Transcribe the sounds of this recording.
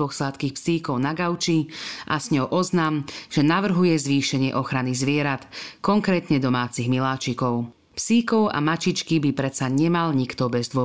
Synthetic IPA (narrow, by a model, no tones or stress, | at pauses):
ɔxslat̪kiːxpsiːkɔʊnaɡaʊt͡ʃiʔasɲɔwʔɔznaːmʒ̥ɛnaʋr̩ɦujɛzʋiːʃɛɲɪɛʔɔxɾanizʋɪɛɾat̪kɔŋkɾɛːt̪ɲɛd̪ɔmaːt͡siɣmilaːt͡ʃikɔʊ | psiːkɔʊa̰mat͡ʃit͡ʃkibipɾɛt̪t͡saɲɛmalɲikt̪ɔbɛzd̪ʊɔ